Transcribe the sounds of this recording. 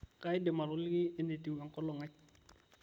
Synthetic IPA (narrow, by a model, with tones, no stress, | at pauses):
ka˦i˦dɪ˨ma˨lʊ˦lɡi˦ɪ˦ni˨ti˨wɛ˨ŋkɔ˦lɔ˨ŋa˦k̚